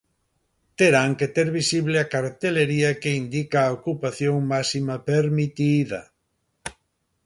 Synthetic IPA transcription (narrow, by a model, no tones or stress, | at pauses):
t̪eɾaŋket̪eɾβisiβleakaɾt̪eleɾiɐkeind̪ikaːokupaθjoŋmasimɐpeɾmit̪iðɐ